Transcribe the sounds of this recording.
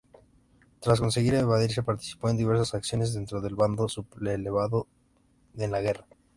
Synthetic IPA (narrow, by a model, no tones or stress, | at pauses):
t̪ɾasko̞ns̬e̞ɣiɾeβaðiɾs̬e̞paɾt̪i̥si̥poend̪iβe̞ɾs̬asaksjo̞ne̞zðe̞nt̪ɾo̞ðe̞lβand̪o̞supleleβaðo | enlaɣe̞ra